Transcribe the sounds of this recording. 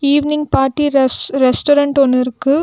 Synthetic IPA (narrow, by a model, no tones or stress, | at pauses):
iːʋnɪŋɡpaːɾʈːiɾɾɛsʈɔɾɐɳʈɔnːɪɾɯkːɯ